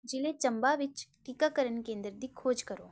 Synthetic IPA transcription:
d͡ʒɪlet͡ʃəmbaʋɪt͡ʃʈikakəɾəɳkẽːnd̪ɾəd̪ikʰoːd͡ʒkəɾoː

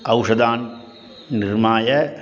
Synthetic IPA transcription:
ɐwʂɐd̪aːn | nɪrmaːjɐ

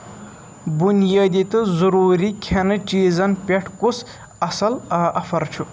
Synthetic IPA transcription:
bunijaːd̪it̪ɨzɐɾuːɾikʲʰenɨt͡ʃiːzɐnpʲeʈʰkus | ɐsɐlɐʔɐfɐɾt͡ʃʰu

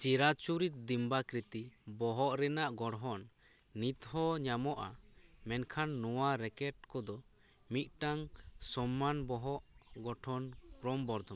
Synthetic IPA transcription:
t͡ʃiɾat͡ʃuɾit̪̚ˀd̪imbakɾit̪ibɔɦɔʔɾɛnaʔɡɔɽɦɔnː | it̪ɦɔɲamɔʔa̰mɛnkʰanːɔwaɾɛkɛʈ̚kɔd̪ɔ | mit̪̚ˀʈaŋsɔmːanbɔɦɔʔɡɔʈʰɔnpɾɔmbɔɾd̪ʱɔm

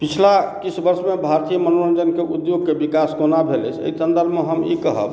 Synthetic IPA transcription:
pit͡ʃʰlakit͡ʃʰbəɾsmebʱaɾt̪ijəmənoɾənd͡ʒənkeʔud̪joɡkebikaskonabʱelə̰t͡ʃʰḛjsənd̪əɾbməɦəmḭkəɦə̰b

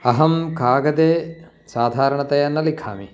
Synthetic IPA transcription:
ɐɦɐmkʰaːɡɐd̪eː | saːd̪ʱaːɾɐɳɐt̪ɐjɐnːɐlikʰa̰ːmi

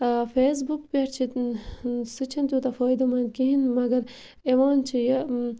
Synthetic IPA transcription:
feːs̬bukpeɾt͡ʃʰi | sɨt͡ʃʰint̪ut̪ɐfɔːid̪ɐmɐnkiɦinmɐɡɐɾ | eʋoːnt͡ʃʰijɐ

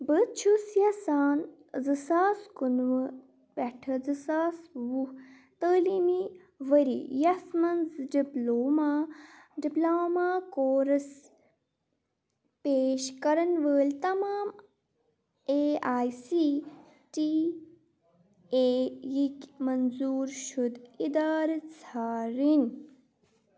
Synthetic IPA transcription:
bət͡ʃʰusjɐsaːn | zɨsaːskunʋɨ | bɛʈʰɐzɨsaːsʋu | t̪əːlimi | ʋəɾḭjɐsmɐnzɖiploːmaːɖiplaːmaːkoːɾɐs | peːʃkɐɾɐnʋəːlʲt̪ɐmaːm | eːaːjsi | ʈi | eːjikʲmɐnzuːɾʃud̪id̪aːɾt͡sʰaːɾin

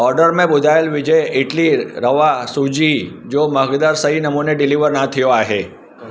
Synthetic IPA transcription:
ɔɾɖəɾmẽbʊd̪ʱaelʋɪd͡ʒəeʈliɾəʋasud͡ʒid͡ʒoməɦɡd̪aɾsəɦinəmuneɖɪliʋəɾnat̪ʰijoaɦe

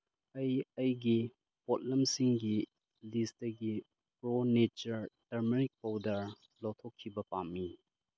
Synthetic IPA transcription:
ɐjɐjɡi | pɔt̚lɐmsiŋɡi | listɐɡi | pɾonet͡ʃɐɾtɐɾmeɾik̚pɐwdɐɾ | lɔtʰokʰːibɐpamːi

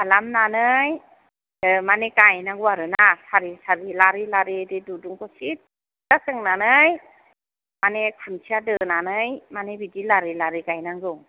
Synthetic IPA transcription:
alamnanɯj | manekajnaŋɡɯaɾɯnasaɾisaɾilaɾilaɾededuduŋkʰɔsit̚ | d̥asɯŋnanɯj | manekʰunsʰiadɯnanɯjmanebidilaɾilaɾikajnaɡɯ

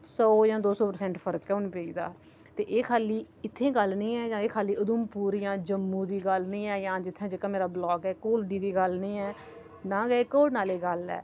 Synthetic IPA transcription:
sɔːjãːd̪oːsɔːpəɾsɛ̃ɳʈfʰəɾəkɛːʊnpeiːd̪a̰ː | t̪eːʔeːkʰaːliː | ɪt̪ʰːẽːɡəlnĩːɛːd͡ʒãːeːkʰaːliːʊd̪ʊmpuːɾiːjãːd͡ʒəmːũːd̪iːɡəlnĩːɛːjãːd͡ʒɪt̪ʰːãːd͡ʒɪkãːmeːɾaːblɔːkɛːkoːlɖiːd̪iːɡəlnĩːɛː | nãːɡəeːkoːlnaːleːɡəlɛ̰ː

